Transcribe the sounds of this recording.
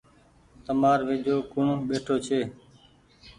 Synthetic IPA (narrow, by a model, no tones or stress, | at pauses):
t̪əmaːɾʋeːd͡ʒʱoːkʊɳɓeːʈʰoːt͡ʃʰeː